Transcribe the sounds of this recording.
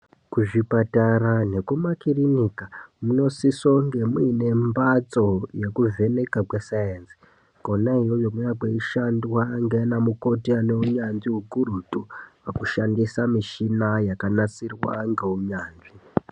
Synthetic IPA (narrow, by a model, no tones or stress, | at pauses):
kuʐipataɾane̞kumakirinikamuno̞siso̞ŋɡe̞muiine̞mbat͡so̞je̞kuvʱe̞ne̞kakwesajensi̥ | konaɦijojomujakeiʃandwaŋɡeinamuko̞tianeuɲanʐiɦuɡuɾutupakuʃandisamiʃinajakanat͡sirwa̰ŋɡeuɲaːnʐi